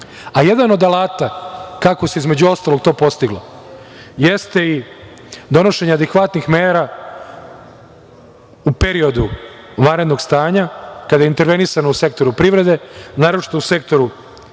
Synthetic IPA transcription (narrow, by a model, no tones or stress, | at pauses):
ajed̪ano̞d̪alaːt̪akako̞se̞izme̞d͡ʑuo̞st̪alˠoɡ̚t̪o̞ːpo̞st̪iɡlo̞̰ | jest̪e̞i | d̪o̞no̞ʃe̞ɲaad̪ekʋat̪nixmeːɾa | upe̞ɾio̞d̪u | ʋanɾe̞d̪no̞ɡst̪aːɲakad̪ajeint̪e̞ɾʋe̞nisanouse̞k̚t̪o̞ɾupɾiʋɾe̞d̪e̞naːɾot͡ʃi̥t̪ouse̞k̚t̪o̞ɾu